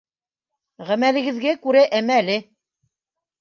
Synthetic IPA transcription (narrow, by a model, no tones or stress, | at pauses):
ʁæmælɘ̆ɡɘ̆ðɡækʉɾæʔæmæːlɘ